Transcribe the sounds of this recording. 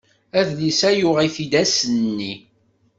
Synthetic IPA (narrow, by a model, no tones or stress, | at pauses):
æðlisæjʊʁiθid̪æsənːi